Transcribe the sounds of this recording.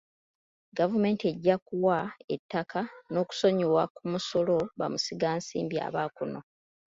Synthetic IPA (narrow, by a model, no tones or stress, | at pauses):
ɡavume̞ːntie̞ɟːakuwaḛtːakano̞ːku̥so̞ɲuwakumuso̞lo̞βa̰musiɡaːnsḭːmbia̰βaːkuno